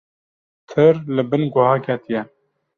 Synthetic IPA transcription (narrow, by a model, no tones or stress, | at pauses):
t̪ʰɨɾlɨbɨnɡʷʊhɑːkʰɛt̪ijɛ